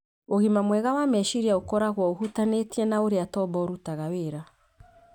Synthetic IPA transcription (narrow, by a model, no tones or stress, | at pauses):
oɣimamwɛɣawamɛʃiɾiaokɔɾaɣwɔohutanetiɛnaoɾeatɔbɔɾutaɣaweɾa